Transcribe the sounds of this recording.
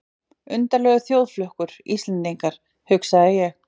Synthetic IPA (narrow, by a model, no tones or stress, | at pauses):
ʏnt̪aɾlœːɣʏθjowðflœhkʏɾ̥ḭst̪ɛnt̪iŋkaɾ̥ | hʏksaðɪjɛɣ